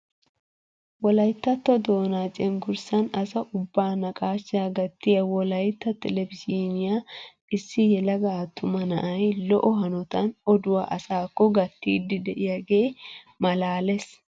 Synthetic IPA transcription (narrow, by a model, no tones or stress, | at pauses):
wɔlɐjt̪ːɐt̪ːɔd̪o̞ːnaːt͡ʃʼɛŋɡʊɾsɐnɐsɐʔʊbːaːnɐkʼaːʃaɡɐt̪ːɪjɐwɔlɐjt̪ːɐt̪ːɛlɛvɪsiːnɪja | ɪsːɪjɛlɐɡɐːt̪ʰːʊmɐnɐʔɐjlɔʔɔɦɐnɔt̪ɐnɔd̪ʊwaːʔɐsaːkːɔɡɐt̪ːḭːd̪ɪd̪ɛʔɪjɐɡeː | mɐlaːlɛs